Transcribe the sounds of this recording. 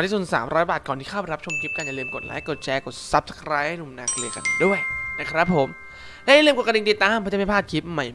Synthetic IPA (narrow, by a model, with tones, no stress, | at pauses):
tʰiː˧˩su˨˩sa̰ː˩˦mɾɔː˦˥jbaː˨˩kɔː˨˩nt̪ʰiː˥˩aː˥˩ba˨˩ɾa˦˥p̚t͡ɕʰo˧mkʰi˦˥p̚ka˧nja˨lɯː˧mko˨˩t̪̚la̰ː˦˥jko˨˩t̪̚t͡ɕʰɛː˧˥ko˨˩t̪̚sa˦˥p̚skʰɾaː˦˥jha˥˩nu˧˩mnaː˧˩klɯ˧əka̰˧˩ndu˥˩əjna˦˥kʰɾa˦˥pʰːo˩˦m | lɛ˦˥ja˨˩lɯː˧mko˨˩t̚ki˧ŋt̪i˨˩t̪ːaː˧mpʰɔ˦˥t͡ɕa˨˩ma˥˩pʰaː˥˩t̪̚kʰi˦˥p̚ma˦˥˩j